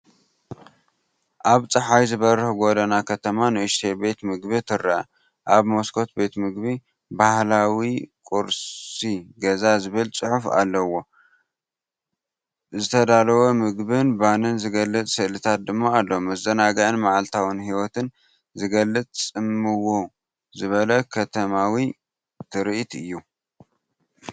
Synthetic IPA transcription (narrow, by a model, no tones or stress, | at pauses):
ʔaβt͡sʼɨħajzɨβɐɾɨhɡo̞d̪ɐnakʰɐt̪ʰɐmanɨɨʃt̪ʰebe̞t̪mɨɡbit̪ʰɨɾa̰ | ʔaβmoskʰo̞t̪be̞t̪mɨɡbi | bahlawikʼuɾsiɡɐzazɨβɨlt͡sʼɨħufa̰lːɐwo̞ | zɨt̪ʰɐd̪alɐwomɨɡbɨnbanɨnzɨɡɐlːɨt͡sʼsɨʔlɨt̪ʰat̪̚d̪ɨmːoalːomɐzɐnaɡajɨnmaʕalt̪ʰawɨnhiwɔt̪ʰɨn | zɨɡɐlːɨt͡sʼt͡sʼɨmːɨwo | zɨβɐlɐkʰɐt̪ʰɐmawi | t̪ʰɨɾʔt̪ɨjːu